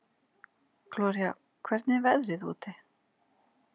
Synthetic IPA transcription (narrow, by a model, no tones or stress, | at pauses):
klɔːɾia | kʰvɛɾt̪nɪvɛðɾɪðṵːt̪ɪ